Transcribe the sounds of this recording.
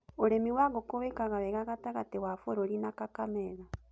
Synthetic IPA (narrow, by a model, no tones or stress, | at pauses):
oɾemiwaɣokoβekaɣaβɛɣaɣataɣatewafoɾoɾinakakamɛða